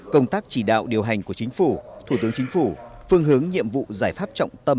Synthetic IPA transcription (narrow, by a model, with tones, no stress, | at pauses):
kə˧wŋ͡mt̪aː˦˥k̚t͡ɕi˧˩ɗa̰ː˧˨wɗi˨˩əwɦa˨˩jŋ̟ku˧˩ət͡ɕï˨˦ŋ̟fu˧˩t̪ʰu˧˩t̪ɨ˨˦əŋt͡ɕï˨˦ŋ̟fu˧˩fɨ˧əŋɦɨ˨˦əŋɲḭ˧˨əmvṵ˧˨zaː˧˩jfaː˦˥p̚t͡ɕɔ̰˧˨wŋ͡mt̪ə˧m